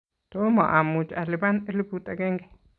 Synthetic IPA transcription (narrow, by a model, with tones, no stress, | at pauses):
t̪o˦ma˨ʔa˨mu˧t͡ʃa̰˨li˧ba˦ne˦li˦bu˧t̪a˧ɡe˦ŋɡe˨